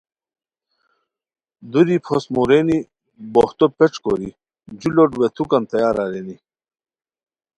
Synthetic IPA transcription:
d̪uɾipʰosmuɾeni | boht̪opeʈ͡ʂkoɾi | d͡ʑuloʈwet̪ʰukɐnt̪ɐjaːɾaɾeːni

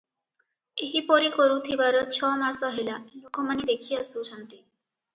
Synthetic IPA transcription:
eɦipɔɾikɔɾũt̪ʰibaɾɔt͡ɕʰɔmasəɦilalokɔmanid̪ekʰiəsũt͡ʃʰənt̪i

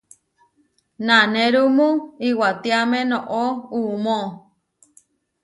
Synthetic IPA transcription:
nanẽɾumũiwat̪iamẽnõʔoumo

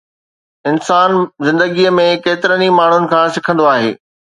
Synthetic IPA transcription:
ɪnsaːnzɪ̃nd̪əɡiəmẽkeːt̪ɪɾənimaːɳ̤ʊnɪ̆kʰãːsɪkʰə̃nd̪oaːɦḛː

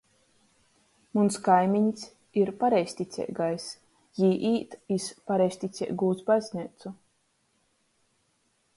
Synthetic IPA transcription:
munskajmʲiɲs | iɾpaɾɛjsʲt̪ʲit̪sʲɛ̰jɡajs | jiːʔiːt̪ispaɾɛjsʲt̪ʲit̪sʲɛ̰ʔɡuːt̪sbazʲnʲit̪su

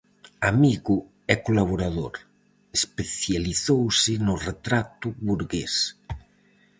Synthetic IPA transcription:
amiɣu | ɛkolaβ̞oɾaðoɾ | espeθjaliθowsɪnoret̪ɾat̪uβuɾɣes

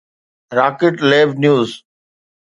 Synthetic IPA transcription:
ɾaːkɪʈleːʋnjuːz

